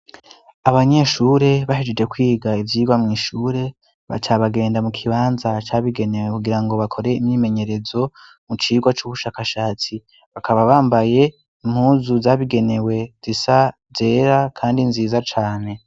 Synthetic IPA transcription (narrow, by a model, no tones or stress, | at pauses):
aβaɲe̞ːʃuɾe̞βaʃid͡ʒed͡ʒe̞kwiːɡaivjiːɡwamŋiːʃuːɾe̞ | βa̰tʰaβaɡe̞ːndamukʰiβaːnzat͡ʃaːβiɡe̞ne̞we̞kuɡiɾaŋɡo̞βakʰo̞ɾe̞imɲiːme̞ɲe̞ɾe̞zo̞ | mut͡ʃiːɡwat͡ʃuβuʃaːkaʃaːt͡si | βakʰaβaβaːmbaje̞ | im̥huːzuzaβiɡe̞ne̞we̞z̥isa | ze̞ːɾakʰaːndinziːzat͡ʃaːne̞